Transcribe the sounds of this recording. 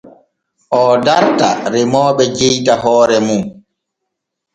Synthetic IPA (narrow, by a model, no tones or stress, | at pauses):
ʔɔdaɾta̰ɾɛmɔːɓɛd͡ʒejtaɦɔːɾɛmun